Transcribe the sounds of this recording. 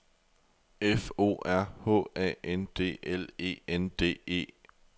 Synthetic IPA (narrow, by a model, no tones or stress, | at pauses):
efo̝̰ːæɐ̰hɔ̰ɛ̰ːend̥e̝̰ːʔele̝̰ːend̥e̝̰ːe̝̰ː